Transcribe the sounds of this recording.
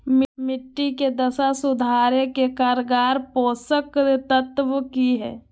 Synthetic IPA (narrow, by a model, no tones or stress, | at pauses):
mmɪʈːiked̪ɐsasʊd̪ʱaːɾekekaːɾɡaːɾpoːsəkt̪ət̪ʋəkiɦɛ̰ː